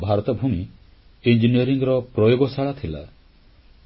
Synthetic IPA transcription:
bʱaɾɔt̪ɔbʱumi | ind͡ʒiniɔɾiŋɡɾɔpɾɔjoɡɔsaɭat̪ʰila̰

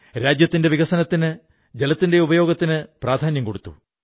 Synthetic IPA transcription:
ɾaːd͡ʑjɐt̪ːinde̞ʋiɡɐsɐnɐt̪ːinɨ | d͡ʑelɐt̪ːinde̞ubɐjo̞ːɡɐt̪ːinɨpraːd̪ʱaːnjɐmko̞ɽut̪ːṵ

